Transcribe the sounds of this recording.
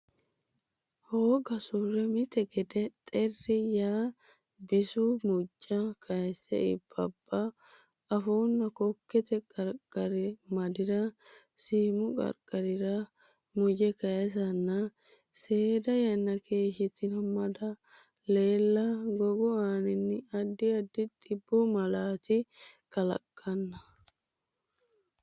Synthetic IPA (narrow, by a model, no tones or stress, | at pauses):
hoːɡɐsʊrɛmɪt̪ːɛɡɛt̪ɛt̪ʼɛrːɪjaː | bɪsʊmʊd͡ʒʼːɐkʰɐjsɛ̰ɪ̰b̥ːɐb̥ːɐ | ɐfoːnːɐkɔkːɛt̪ɛkʼɐɾkʼːɐɾɪmɐd̪ɪɾɐ | siːmʊkʼɐ̰ɾkʼɐɾɪɾɐ | mʊjɛkɐjɛs̬ɐnːɐ | seːd̪ɐjɐnːɐkʰe̞ːʃɪt̪ːɪnɔmɐd̪ɐ | le̞ːlːɐɡɔɡʊaːnɪnːɪɐd̪ːɪɐd̪ːɪt̪ʼɪbːʊmɐlaːt̪ɪkɐlɐ̰kʼːɐnːɐ